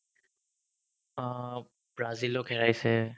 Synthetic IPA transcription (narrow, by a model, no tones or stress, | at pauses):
b̥ɹazilɔkɦɛɹajsɛ